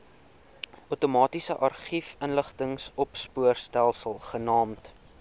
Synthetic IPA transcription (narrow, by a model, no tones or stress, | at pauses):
ʔutomɑːtisəʔɐrχifənləχtəŋsɔpspuərstælˠsəlˠχənɑːmt